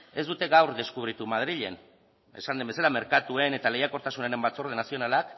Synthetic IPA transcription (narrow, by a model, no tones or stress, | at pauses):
e̞zd̪ut̪e̞ɣawɾðe̞skuβɾit̪umað̞ɾiʎe̞̰n | e̞̰sand̪embe̞salame̞ɾkat̪ue̞ne̞t̪ale̞jako̞ɾt̪asuneɾe̞mbat͡so̞ɾðenasio̞nalak